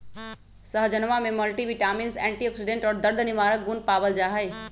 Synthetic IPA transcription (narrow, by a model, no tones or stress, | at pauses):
səɦd͡ʒənʋamẽməlʈiʋɪʈaːminsɛ̃ːɳʈiɔksiɖẽɳʈɔːɾd̪əɾd̪ʱnɪʋaːɾək̚ɡunpaːbəld͡ʒaːɦəj